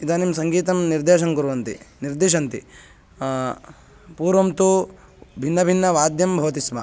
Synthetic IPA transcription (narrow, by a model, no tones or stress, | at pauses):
id̪aːnimsɐŋɡiːt̪̬ɐmniɾd̪eːʃɐŋkuɾuʋɐnt̪ḭniɾd̪eːʃ̬ɐnt̪ḭ | puːɾʋɐmt̪u | bʱinːɐbʱinːɐʋaːd̪jɐmbʱɐʋɐt̪ismɐ̰